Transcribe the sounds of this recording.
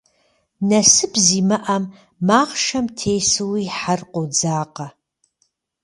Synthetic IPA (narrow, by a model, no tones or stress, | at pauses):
nɐsɨbziːmɐʔɐmː | aːʁʃɐmtʰeːsɨwiːħarqʷod͡zaːqɐ